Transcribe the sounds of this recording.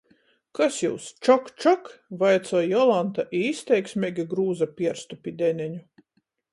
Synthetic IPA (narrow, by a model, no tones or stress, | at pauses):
kasjuwst͡ʃɔkt͡ʃɔkvajt̪sɔɔjɔlˠant̪aʔiist̪ʲɛjksʲmʲɛɡʲiɡɾuːzapʲiɛɾst̪upʲid̪ʲɛnʲɛɲu